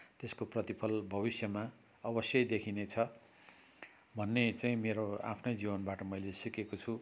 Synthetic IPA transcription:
t̪eskoprʌt̪ipʰʌlbʱʌβisjʌma | ʌbʌsjʌjd̪ekʰinet͡sʰʌ | bʱʌnːet͡saĩmeɾoa̰pʰnʌjd͡zibʌnbaʈʌmʌjlesikekot͡sʰu

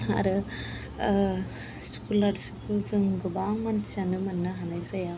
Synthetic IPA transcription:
a̰ɾɯ | skulaɾsipɯzɯŋɡɯbaŋmansanɯmɐnːɯɦanajzaja

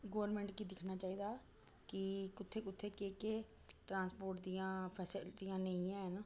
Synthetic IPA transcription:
ɡoːɾmɛ̃ːɳʈkiːd̪ɪkʰnaːt͡ʃaːiːd̪aː | kɪkʊt̪ʰːeːkʊt̪ʰːeːkeːkeː | ʈɾãːnspoːɾʈd̪ijãːpʰɛːsɪlʈijãːneĩɛ̃ːnaː

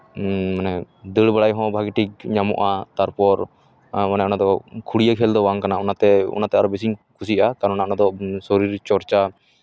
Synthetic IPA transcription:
manɛ | d̪əɽbaɽajɦɔ̃bʱaɡiʈikɲamɔ̰ʔat̪aɾpɔɾ | manɛʔɔnad̪ɔkʰuɽijakʰɛld̪ɔwaŋkanaɔnat̪ɛṵnat̪ɛaɾɔbɛs̬iɲkʰusiʔakaɾɔnnaʔɔnad̪ɔsɔɾiɾt͡ʃɔɾt͡ʃa

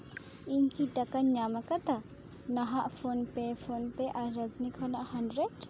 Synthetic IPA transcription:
iɲkiʈakaɲɲamakat̪a | naɦaʔpʰonpɛpʰonpɛʔaɾɾəd͡ʒnikʰhɔnaʔhanɖɾeɖ

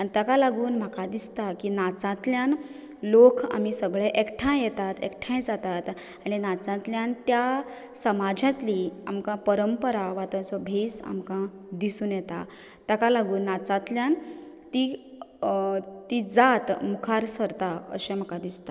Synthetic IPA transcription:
aɽit̪əkalaɡuːnm̤akad̪ist̪akinat͡sãt̪ljãn | lokʰa̰misəɡɭeʔekʈʰãjɛt̪at̪ḛkʈʰãjd͡zat̪at̪ | aɽ̃inat͡sãt̪ljãnt̪ja | səmad͡ʑãt̪liamkãpəɾəmpəɾaʋat̪ãt͡sɔbʱesa̰mkã | d̪isuːnjɛt̪a̰ | t̪əkalaɡuːnːat͡sãt̪ljãn | t̪i | t̪id͡zat̪mukʰaɾsəɾt̪aə̰ɕẽm̤akãd̪ist̪ḁ

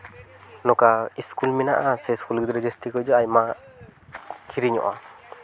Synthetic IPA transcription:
nɔkaiskulminaʔasɛskulɡid̪ɔɾɛd͡ʒest̪ikɔjd͡ʒɔajma | kʰiɾiɲɔ̰ʔa

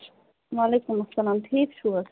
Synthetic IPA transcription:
ʋalekumɐsːɐlaːmʈʰiːkt͡ʃʰu

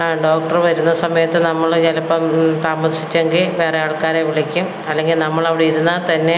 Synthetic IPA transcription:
ɖoːk̚ʈɐrʋɐɾunːɐsɐmɐjɐt̪ːɨnɐmːɐɭɡɐlɐpːɐmt̪aːmɐsit͡ɕːeŋɡilʋe̞ːreaːɭkaːɾeʋiɭikʲːum | ɐlːe̞ŋɡilnɐmːɐɭɐʋiɽeiɾunːɐt̪ɐnːe̞

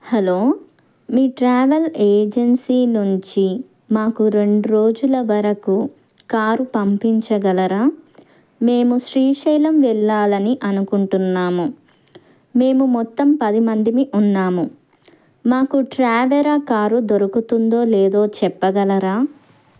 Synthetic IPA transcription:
hɐlo̞ː | miːʈɾaːʋɐleːd͡ʒensiːnuɲt͡ʃi | maːkuɾe̞ɳɖuɾo̞ːd͡ʒulɐʋɐɾɐku | kaːɾupɐmpiɲt͡ʃɐɡɐlɐɾaː | me̞ːmuʃɾiːʂɛːlɐmʋɛɭːaːlɐniʔɐnukuɳʈunːaːmu | me̞ːmumɔt̪ːɐmpɐd̪imɐnd̪imiʔunːaːmu | maːkuʈɾaːʋeɾɐkaːɾud̪oɾɐkut̪und̪o̞ːlɛːd̪o̞ːt͡ʃɛpːɐɡɐlɐɾaː

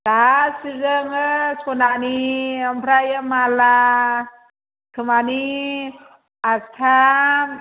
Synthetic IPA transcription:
lasizəŋəskonaʔniampɾajəmala | t̪ʰəmani | ast̪ʰam

